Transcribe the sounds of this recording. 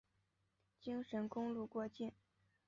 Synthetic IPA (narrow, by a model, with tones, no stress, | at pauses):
t͡ɕi˥ŋʂə˧˥nkʊ˥ŋlu˥˧kwɔ˥˧t͡ɕjɛ˥˩n